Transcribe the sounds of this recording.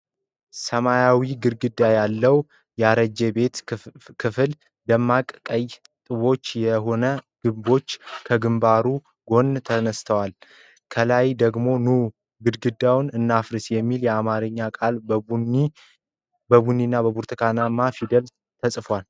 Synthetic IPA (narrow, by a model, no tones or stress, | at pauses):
səmajawiɡɨɾɡɨd̪ːajalːəw | jaɾəd͡ʒɛbe̞t̪kʰɨfɨl | dəmːakʼkʼəj | t̪ʼɨβo̞t͡ʃːjɛɦo̞nəɡ̥ɨbo̞t͡ʃːkʰəɡɨmbaɾu | ɡo̞nt̪ʰənəst̪ʰəwal | kʰəlajd̪əɡmo̞nu | ɡɨɾɡɨd̪ːawnɨnːafɾɨsjɛmːiljɛamaɾɨɲːakʼal | bəβunːinːabəbuɾt̪ʰɨkʰanamafid̪əl | t̪ʰəsʼfwal